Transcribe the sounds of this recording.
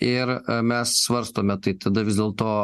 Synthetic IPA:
ɪɾmʲɛssʋɐɾst̪oːmʲɛt̪ɐɪt̪ɐd̪ɐʋʲɪzd̪ʲeːlˠt̪oː

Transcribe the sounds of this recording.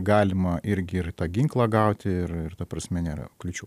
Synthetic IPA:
ɡɑːlʲɪmɐʔɪɾʲɡʲɪɪrt̪ɑːɡʲɪŋklˠɑːɡɐˑʊt̪ʲɪɪrɪrt̪ɐpɾɐsʲmʲɛnʲeːɾɐ̰klʲʊt͡ʃʲuː

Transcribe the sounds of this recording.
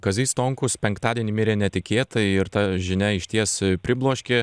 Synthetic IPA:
kɐzʲiːst̪oːŋkʊspʲɛŋkt̪ɑːd̪ʲiɛnʲiːmʲɪɾʲeːnʲɛt̪ʲɪkʲeːt̪ɐɪɾt̪ɐʒʲɪnʲɛɪʃʲt̪ʲiɛspʲɾʲɪblˠoːʃʲkʲe

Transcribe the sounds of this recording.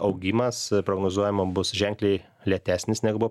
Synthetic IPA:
ɐʊɡʲiːmɐspɾoːɡnoːzuɔjɛmobʊsʒʲɛŋʲklʲɛɪ | lʲiɛt̪ʲæːsʲnʲɪsnʲɛɡʊbʊʋ

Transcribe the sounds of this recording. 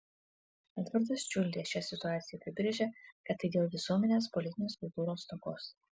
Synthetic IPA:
ɐt̪ʋɐɾd̪ɐst͡ʃʲʊlʲd̪ʲeːʃʲæsʲɪt̪ʊaːt̪sʲɪjɛpʲɾʲɪbʲɾʲeʒʲɛkɐt̪ːɐɪd̪ʲeːlˠʋʲɪsuɔmʲɛnʲeːspɔlʲɪt̪ʲɪnʲeːskʊlˠt̪uːɾoːst̪oːkoːs

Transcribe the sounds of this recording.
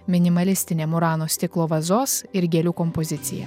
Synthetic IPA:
mʲɪnʲɪmɐlʲɪsʲt̪ʲɪnʲeːmʊɾɑːnoːsʲt̪ʲɪklˠoːʋɐzoːsɪɾɡʲɛlʲuːkɔmpozʲɪt̪sʲɪ̰jɛ̰

